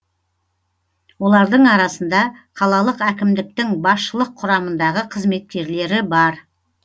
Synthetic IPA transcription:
wo̞lˠɑɾd̪əɴɑɾɑsənd̪ɑqʰɑlˠɑlˠəqækʲɪmd̪ɪk̚t̪ɪŋbɑsʃəlˠəqʰːʊɾɑmənd̪ɑʁəqʰəzme̞t̪̚kʲe̞ɾle̞ɾɪbɑɾ

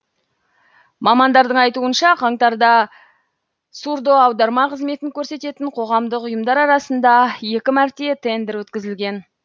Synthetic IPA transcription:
mɑmɑnd̪ɑɾd̪əɴɑjt̪uənʃɑqʰɑɴt̪ɑɾd̪ɑ | suɾd̪o̞ɑwd̪ɑɾmɑqəzme̞t̪ɪŋkʲʰɵɾse̞t̪e̞t̪ɪɴqʰo̞ʁɑmd̪əqʊjəmd̪ɑɾɑɾɑsənd̪ɑje̞kʲɪmæɾt̪e̞t̪ʰe̞nd̪eɾwɵt̪kʲɪzɪlɡʲe̞n

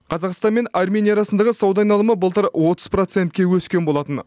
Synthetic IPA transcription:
qʰɑzɑqst̪ɑnme̞narmʲe̞nijaɾɑsənd̪ɑʁəsowd̪ɑjnɑlˠəməbəlˠt̪əɾwo̞t̪əz̥pro̞t̪se̞nt̪kʲe̞wɵskʲe̞nbo̞lˠɑt̪ən

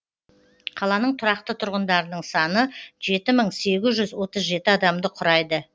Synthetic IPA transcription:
qʰɑlˠɑnəɴt̪ʰʊɾɑqt̪ət̪ʰʊɾʁənd̪ɑɾənəɴsɑnəʒe̞t̪ɪməɴse̞ɡʲɪzʒʏzwo̞t̪əzʒe̞t̪ɪɑd̪ɑmd̪əqʰʊɾɑjd̪ə

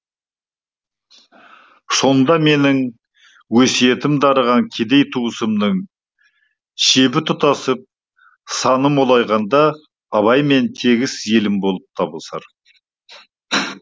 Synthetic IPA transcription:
so̞nd̪ɑme̞nɪŋ | wɵsije̞t̪ɪmd̪ɑɾəʁɑŋkʲʰed̪e̞jt̪ʰuwəsəmd̪əŋ | ʃe̞bɪt̪ʰʊt̪ɑsəp̚ | sɑnəmolˠɑjʁɑnd̪ɑː | βɑjme̞nt̪ʰe̞ɡʲɪsje̞lɪmbo̞lˠəp̚t̪ʰɑbəlˠsɑ̰ɾ

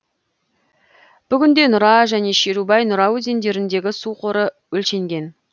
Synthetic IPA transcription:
b̥ʏɡʲɪnd̪e̞nʊɾɑʒæne̞ʃeɾubɑjnʊɾɑwɵze̞nd̪e̞ɾɪnd̪e̞ɡʲɪsuqʰo̞ɾə | wɵlʃe̞ŋɡʲe̞n

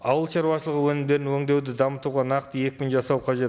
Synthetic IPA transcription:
ɑwəlˠʃɑɾwɑʃəlˠəʁəwɵnɪmd̪e̞ɾɪnwɵŋd̪e̞wd̪ɪd̪ɑmət̪uʁɑnɑqt̪əje̞k̚ʲkʲʏnʒɑsɑwqʰɑʒe̞t̪

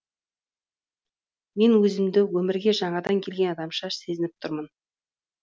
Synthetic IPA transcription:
me̞nwɵzɪmd̪ɪwɵmɪɾɡʲe̞ʒɑɴɑd̪ɑŋkʲʰe̞lɡʲe̞nɑd̪ɑmʃɑse̞zɪnɪp̚t̪ʰʊɾmən

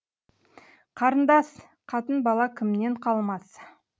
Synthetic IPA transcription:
qʰɑɾənd̪ɑs | qʰɑt̪ənbɑlˠɑkʲʰɪmne̞ɴqʰɑlˠmɑs

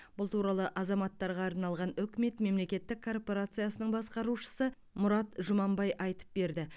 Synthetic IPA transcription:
b̥ʊlˠt̪ʰuɾɑlˠəʔɑzɑmɑt̪ːɑɾʁɑːɾnɑlˠʁɑnʏkʲme̞t̪me̞mle̞kʲe̞t̪ːɪkʰːo̞rpo̞ɾat̪sɨjasənəɴbɑsqɑɾuʃə̥sə | mʊɾɑt̪ʒʊmɑmbɑjʔɑjt̪ə̥p̚be̞ɾd̪ɪ

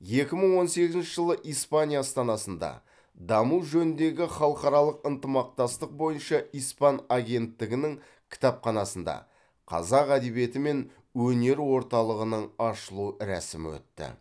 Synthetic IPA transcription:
je̞kʲɪməɴwo̞nse̞ɡʲɪznʃɪʒəlˠəʔijspanʲijast̪ɑnɑsənd̪ɑ̰ | d̪ɑmuʒɵnɪnd̪e̞ɡʲɪχɑlˠəqɑɾɑlˠəqənt̪əmɑq̚t̪ɑst̪əq̚bo̞jənʃɑijspɑnaɡʲe̞nt̪ːɪɡʲɪnɪŋ | kʲʰɪ̥t̪ɑpχɑnɑsənd̪ɑ̰ | qʰɑ̰zɑqæd̪e̞βije̞t̪ɪme̞n | wɵne̞ɾwo̞ɾt̪ɑlˠəʁənəɴɑʃəlˠuɾæ̰sɪmɪ̰wɵ̰t̪ːɪ̰

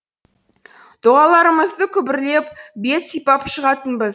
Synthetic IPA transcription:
d̪̥oʁɑlˠɑɾəməzd̪əkʲʰʏbɪɾle̞p̚be̞t̪sijpɑpʃəʁɑt̪ənbəz

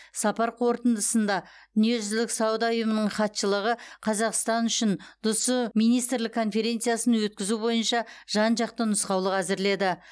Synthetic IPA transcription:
sɑpɑɾqʰo̞ɾt̪ənd̪əsənd̪ɑd̪̥ʏnije̞ʒʏzlɪksɑwəd̪ɑʊjəmənəɴχɑt̪ʃəlˠəʁəqʰɑzɑqst̪ɑnʏʃɪnd̪̥ʊsəmijnijst̪ɾlɪkʰːo̞nfe̞ɾʲe̞nt̪sɨjasənwɵt̪̚kʲɪzubo̞jənʃɑʒ̥ɑnʒɑq̚t̪ənəsqɑwlˠəqæzɪɾle̞d̪ɪ

